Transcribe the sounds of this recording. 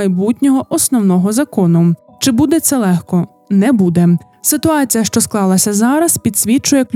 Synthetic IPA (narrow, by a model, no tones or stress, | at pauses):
jbutʲnʲɔɦɔʔɔsnɔwnɔɦɔzɐkɔnʊ | t͡ʃɪbud̪ɛt̪sɛlˠɛxkɔ | nɛbud̪ɛ | sɪt̪ʊɑt͡sʲijɐʃt͡ʃɔsklˠɑlˠɐsʲɐzɑɾɐspʲid̪sʲʋʲit͡ʃʊjɛklʲ